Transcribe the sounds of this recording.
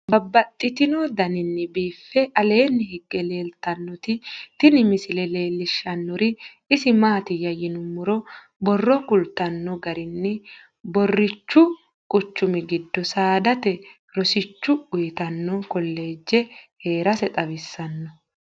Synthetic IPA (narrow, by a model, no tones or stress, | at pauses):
bɐbːɐt̪ʼːɪt̪ɪnɔd̪ɐnɪnːɛbiːfːɛʔɐle̞ːnːɪhɪɡːɛle̞ːlt̪ɐnːɔt̪ɪt̪ɪnɪmɪsɪlɛle̞ːlːɪʃːɐnːɔɾɪ | ɪsɪmaːt̪ɪjɐjɪnʊmːʊɾɔ | bɔrːɔkʊlt̪ːɐnːɔɡɐɾɪnːɪ | bɔrːɪt͡ʃːʊ | kʼʊt͡ʃːʊmɪɡɪd̪ːɔsaːd̪ɐt̪ɛ | ɾɔsɪt͡ʃːʊʊjɪt̪ɐnːɔkɔlːe̞ːd͡ʒːɛhe̞ːɾɐsɛt̪ʼɐβɪsːɐnːɔ